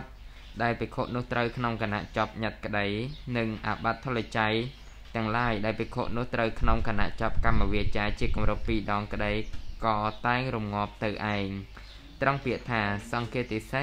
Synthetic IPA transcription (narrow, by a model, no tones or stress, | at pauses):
t̪̚ | ɗaɛlpikʰoːʔnʊ̆əht̪rəwkʰnoŋkana̰ʔt͡ɕɑp̚ɲat̪̚kə̆ɗəjnɨŋʔa̰ːɓat̪ʰːolːat͡ɕaj | t̪ɛ̆əŋlaəjɗaɛlpikʰo̰ːʔnʊ̆əht̪rəwkʰnoŋkana̰ʔt͡ɕɑp̚kamːaʋiət͡ɕaːt͡ɕiəkumrupːiːɗɑːŋkə̆ɗəjkɑːt̪aɛŋrumŋŏəp̚t̪ɨwʔaɛŋ | t̪rəŋpiəʔt̪ʰaːsɑŋkɛət̪ːisə